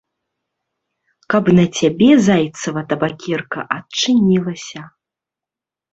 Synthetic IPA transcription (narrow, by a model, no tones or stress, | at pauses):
kɐpnɐt͡sʲabʲɛzajt̪sɐvɐt̪ɐbakʲɛrkɐ̰ʔɐtt͡ʂɨnʲilˠɐsʲɐ